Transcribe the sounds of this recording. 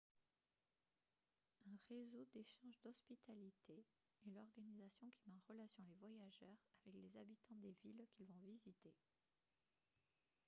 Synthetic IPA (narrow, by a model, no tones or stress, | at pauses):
ɛ̃ʁezod̪eʃɑ̃ʒd̪ɔspit̪alit̪ʰe | ɛlɔʁɡanizasjɔ̃kʲi̥mɑ̃ʁəlasjɔ̃levwajaʒœʁavɛklezabit̪ɑ̃d̪evilkʲilvɔ̃vizit̪e